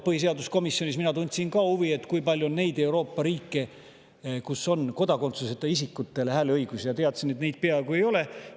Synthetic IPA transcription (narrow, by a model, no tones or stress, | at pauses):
pɤhis̬eɑd̪usko̞misːjo̞nʲis̬minɑt̪unʲt̪ʲsinkɑːuvie̞t̪ːˑkujpɑlʲjuonːe̞jd̪e̞uɾo̞ːpːɑɾiːkːe̞ | kusːo̞nko̞d̪ɑko̞nt̪suset̪ːˑɑisikːut̪ːˑe̞lehæːleɤjɡ̥usijɑt̪e̞ɑt̪sinet̪nejd̪̥̚peɑeɡ̥ue̞jo̞le̞